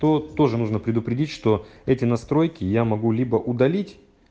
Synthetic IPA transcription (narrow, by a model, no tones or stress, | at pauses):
t̪o̞t̪o̞ʐɨnuʐnəpɾʲɪd̪ʊpɾʲɪdʲitʲʂt̪o̞ɛtʲɪnɐst̪ɾo̞jkʲɪjamɐɡulʲibəʔʊd̪ɐlʲitʲ